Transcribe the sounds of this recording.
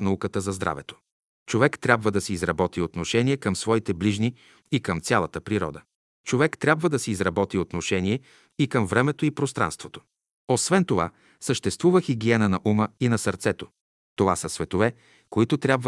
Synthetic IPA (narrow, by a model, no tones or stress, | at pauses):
fnɐukət̪əzɐzd̪ɾa̰vɛt̪o̥ | t͡ʃovɛkt̪ɾʲabvəd̪ɐsiizɾɐbɔt̪iot̪noʃɛniɛkəmsvɔit̪ɛbliʒni | ikəmt̪sʲjalˠɐt̪əpɾiɾɔ̰d̪ə | t͡ʃovɛkt̪ɾʲabvəd̪ɐsiːzɾɐbɔt̪iot̪noʃɛniɛ | ikəmvɾɛmɛt̪oipɾost̪ɾa̰nst̪vot̪o̥ | osvɛnt̪ova̰ | səʃt̪ɛst̪vuvəxiɡiɛnənɐʔuməinɐsəɾt̪sɛt̪o | t̪ovasəsvɛt̪ovɛ | koit̪ʊt̪ɾʲjabvə